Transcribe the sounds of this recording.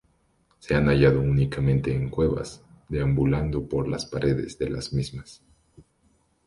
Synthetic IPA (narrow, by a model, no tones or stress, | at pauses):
se̞anaʝaðo̞unikamẽ̞nt̪e̞ːŋkwe̞βa̰zd̪eambuland̪o̞po̞ɾla̰spaɾʔe̞ðe̞̰zðe̞la̰z̥mizmas